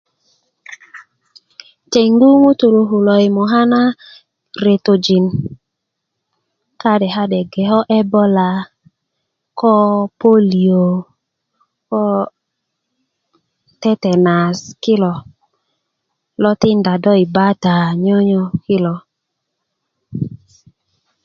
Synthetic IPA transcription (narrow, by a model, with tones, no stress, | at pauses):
te˨ŋɡu˦ŋu˦tu˨lu˨ɦu˨lɔ˨i˨mɔ˨ɦa˦na˦ | ɾe˨to˨d͡ʒi˨n | ka˦dɛ˨ɦa˦dɛ˨ɡɛ˨ɦɔ˦ʔɛ˦bɔ˦la˨ | kɔ˦po˦li˨o˨ | kɔ˦ | tɛ˦tɛ˨na˨ski˦lɔ˨ | lɔ˦tɪ˦nda˨dɔ˦i˨ba˦ta˨ɲɔ˦ɲɔ˦ki˦lɔ˨